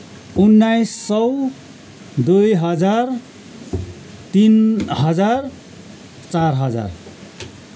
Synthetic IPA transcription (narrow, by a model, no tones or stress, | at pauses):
unːajsːʌw | d̪ujɦʌd͡zar | t̪inɦʌd͡zar | t͡sarɦʌd͡za̰r